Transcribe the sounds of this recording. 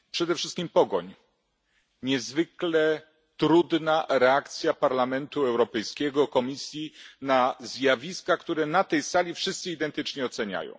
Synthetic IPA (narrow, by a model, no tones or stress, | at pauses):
pʂɛd̪ɛfʂɘst̪̚kʲimpɔɡɔɲ | ɲɛzvɘklɛ | t̪ɾud̪naɾɛakt̪sʲjapaɾlamɛnt̪uɛwɾɔpɛjskʲɛɡɔkɔmʲisʲjinazjavʲiskakt̪uɾɛnat̪ɛjsalʲifʂɘst̪sɨid̪ɛnt̪ɘt͡ʂɲɛɔt̪sɛɲa̰jɔ̰̃w̃